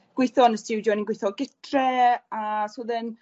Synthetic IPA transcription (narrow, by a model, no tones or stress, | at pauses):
ɡ̥wɪjθɔnəstɪwdjɔninɡwɪjθɔɡɪtʰrɛasuðən